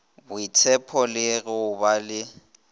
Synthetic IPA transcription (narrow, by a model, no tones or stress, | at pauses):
bʊɪtʰɛpʰɔlɪɣɛʊbalɪ